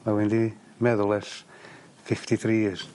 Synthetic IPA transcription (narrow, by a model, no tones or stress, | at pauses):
mawɪndi | mɛðʊlˠɛs | fɪftiθɾis